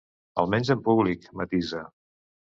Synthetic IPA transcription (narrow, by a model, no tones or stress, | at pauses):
ə̰lˠmɛnzəmpuβlikmət̪izə